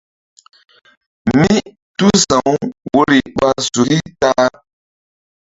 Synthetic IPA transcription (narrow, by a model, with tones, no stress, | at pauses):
mi˦ | tu˦sã˨˦wwo˦ɾi˨ɓa˦su˨ɾi˦ta˦